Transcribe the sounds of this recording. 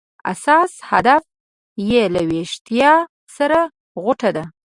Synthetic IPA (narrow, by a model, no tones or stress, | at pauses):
a̰sɑshad̪af | jelaweʃt̪ijɑ | saɾa | ɣʊʈad̪a